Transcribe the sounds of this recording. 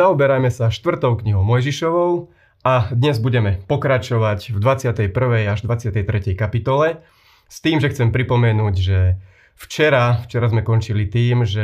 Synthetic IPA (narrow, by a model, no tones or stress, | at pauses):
aɔbɛɾajmɛsaʃt̪ʋr̩t̪ɔʊkɲiɦɔʊmɔjʒiʃɔʋɔʊ | ad̪ɲɛzbuɟɛmɛpɔkɾat͡ʃɔʋacvd̪ʋat͡sɪat̪ɛjpr̩ʋɛjaʒd̪ʋat͡sɪat̪ɛjt̪ɾɛcɛjkapit̪ɔlɛ | st̪iːmʒɛxt͡sɛmpɾipɔmɛnuːɟʒɛ | ft͡ʃɛɾaft͡ʃɛɾazmɛkɔnt͡ʃilit̪iːmʒɛ